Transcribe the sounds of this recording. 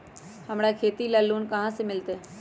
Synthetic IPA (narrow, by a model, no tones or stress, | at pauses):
həmɽakʰeːt̪iləlːuːnkəɦãsemɪlt̪eː